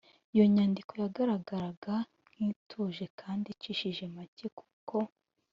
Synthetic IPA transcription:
ijo̞ɲaːndiko̞jaɡaɾaɡaɾaɡa | ŋ̥hitʰuʒe̞kʰaːndiciʃiʒe̞maceku̥ko̞

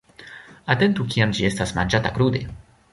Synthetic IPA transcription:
at̪ent̪uk̬ʲiamd͡ʒie̞stasma̰nd͡ʒatakɾud̪e

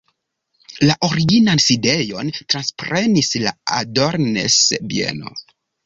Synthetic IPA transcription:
laʔoɾiɡinanside̞jo̞ntɾanspɾe̞nisla̰a̰do̞ɾne̞̰sbie̞̰no̰

